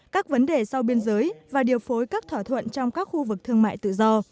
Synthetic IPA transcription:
kaː˦˥k̚və˨˦nɗe˨˩sa˧wɓi˧ənzəː˨˦jvaː˨˩ɗi˨˩əwfo˨˦jkaː˦˥k̚t̪ʰwaː˧˩t̪ʰwə̰˧˨nt͡ɕɔ˧wŋ͡mkaː˦˥k̚xu˧vɨ˨˩k̚t̪ʰɨ˧əŋma̰ː˧˨jt̪ɨ̰˧˨zɔ˧

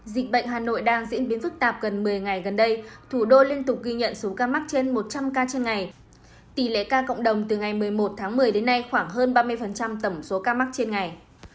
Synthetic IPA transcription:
zï˨˩k̟̚ɓə̰˧˨ŋ̟ɦaː˨˩no̰˧˨jɗaː˧ŋzḭ˧˥ənɓi˨˦nfɨ˦˥k̚t̪aː˨˩p̚ɣə˨˩nmɨ˨˩əjŋa˨˩jɣə˨˩nɗə˧jt̪ʰu˧˩ɗo˧li˧ənt̪ʊ˨˩k͡p̚ɣi˧ɲə̰˧˨nso˨˦kaː˧ma˦˥k̚t͡ɕe˧nmo˨˩t̚t͡ɕa˧mkaː˧t͡ɕe˧nŋa˨˩j | t̪i˧˩lḛ˧˨kaː˧kə̰˧˨ŋ͡mɗə˨˩wŋ͡mt̪ɨ˨˩ŋa˨˩jmɨ˨˩əjmo˨˩t̚t̪ʰaː˨˦ŋmɨ˨˩əjɗe˨˦nːa˧jxwaː˧˩ŋɦəː˧nɓaː˧mɨ˧əjfə˨˩nt͡ɕa˧mt̪ə˧˩mso˨˦kaː˧ma˦˥k̚t͡ɕe˧nŋa˨˩j

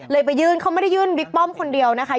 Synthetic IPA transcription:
lɤː˧jp̬a˧˩jːɯː˧nkʰa˦˥wma˥˩da˥˩jɯː˧˩nwi˦˥k̚pɔ˥˩˨mkʰo˧ndi˧əwna˦˥kʰa˦˥

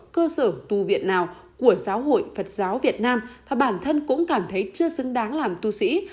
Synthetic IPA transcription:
kəː˧səː˧˩t̪u˨˩vḭ˨ənnaː˨˩w | ku˧˩əzaː˨˦who̰˧˨jfə˨˩t̚zaː˨˦wvi˨˩ət̚naː˧mmaː˨˩ɓaː˧˩nt̪ʰə˧nkʊ̰˧˥ŋ͡mkaː˧˩mt̪ʰə˨˦jt͡ɕɨ˧əsɨ˨˦ŋɗaː˨˦ŋlaː˨˩mt̪u˧sḭ˧˥

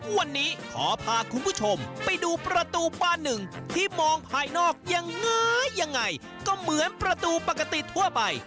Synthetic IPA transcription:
wa˧nːiː˦˥kʰɔ̰ː˩˦pʰaː˧kʰu˧nbʰuː˥˩t͡ɕʰo˧mpa˧jduː˧pɾa˧t̪uː˧baː˧˩nːɯ˨˩ŋt̪ʰiː˥˩mɔː˧ŋpʰaː˧jnɔː˥˩k̚ja˧ŋːɤː˦˥a˧ŋːa˧j | kɔː˥˩mɯ˩˦ənpɾa˧t̪uː˧pa˨˩ka˧t̪i˨˩t̪ʰu˥˩ɐpa˧j

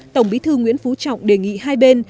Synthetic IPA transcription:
t̪ə˨˩wŋ͡mɓḭ˨˦t̪ʰɨ˧ŋwḭ˧˥ənfu˨˦t͡ɕɔ̰˧˨wŋ͡mɗe˨˩ŋḭ˧˨haː˧jɓe˧n

